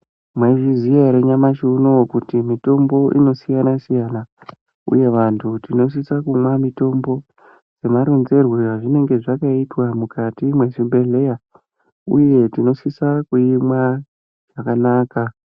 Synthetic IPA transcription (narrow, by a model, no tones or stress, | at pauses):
mweʐiziaɾeɲamaʃuunowokutimito̞mbo̞ʔḭno̞sijanasijana | ṵje̞ʋantʰutino̞s̬isakumwamito̞mbo̞ | d͡ze̞maɾonze̞rweaʐine̞ŋɡe̞ʐakaitwamukatimwe̞ʐimbʱe̞ɮe̞ja | ṵje̞tino̞sisakuimwa | ʐ̥akanaːka